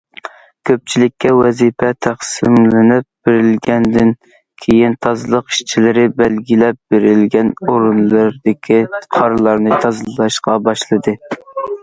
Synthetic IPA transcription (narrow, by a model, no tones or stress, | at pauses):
kʲʰøp̚t͡ʃʰilɪkʲːɛwɛzipʰɛt̪ʰæχsɪmlɪnɪp̚b̥eɾɪlɡʲɛnd̪ɪn | kʲʰejint̪ʰɑzɨlˠəqi̥ʃt͡ʃʰilɪɾɪbɛlɡʲilɛp̚b̥eɾɪlɡʲɛnoɾunlˠɨɾd̪ɪkʲʰiqʰɑɾɨlˠɑɾnɨt̪ʰɑzlˠɑʃqɑbɑʃlˠɨd̪ɨ